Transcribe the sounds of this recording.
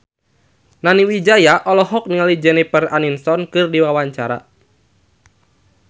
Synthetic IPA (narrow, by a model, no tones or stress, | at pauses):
naniwid͡ʒajaʔɔlɔɦɔk̚niŋalid͡ʒɛnipəraninsɔnkɨrdiwawaɲt͡ʃaɾa̰